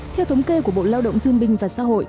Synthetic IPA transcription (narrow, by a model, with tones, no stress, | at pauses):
t̪ʰɛ˧wt̪ʰə˨˦wŋ͡mke˧ku˧˩əɓo̰˧˨laː˧wɗə̰˧˨wŋ͡mt̪ʰɨ˧əŋɓï˨˩ŋ̟vaː˨˩sa̰ː˧˥ɦo̰˧˨j